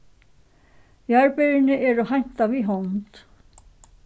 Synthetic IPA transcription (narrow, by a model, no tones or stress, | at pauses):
jaɹpeɾɪnɪʔɛɾʏɦajn̥t̪aviɦɔnt̪